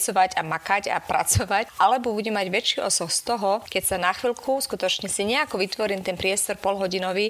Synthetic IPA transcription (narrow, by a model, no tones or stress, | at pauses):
sɔʋaɟamakaɟa̰pɾʔa̰t͡sɔʋacʔalɛbɔbuɟɛmːaɟʋɛt͡ʃiʔɔ̰sɔxst̪ɔɦɔkɛcsanaxʋilkʰuskut̪ɔt͡ʃɲɛsiɲɛakɔʋit̪ʋɔɾint̪ɛnpɾɪɛst̪ɔɾpɔlɦɔɟinɔʋi